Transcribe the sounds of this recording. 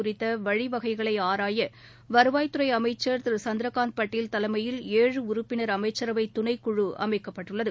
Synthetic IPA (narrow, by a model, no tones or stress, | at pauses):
ʊrɪt̪ːɐʋɐɻiʋɐɣɐɪɣɐɭɐɪaːɾaːjɐ | ʋɐɾɯʋaːjt̪ɯɾɐɪɐmɐɪt͡ʃːɐɾt̪sɐnd̪ɾɐkaːnd̪̚pɐʈːɪlt̪ɐlɐɪmɐjɪleːɻɯʊɾʊpːɪnɐɾɐmɐɪt͡ʃːɐɾɐʋɐɪt̪ːʊnɐɪkːʊɻɯʔɐ̰mɐɪkːɐpːɐʈːɯɭːɐðɯ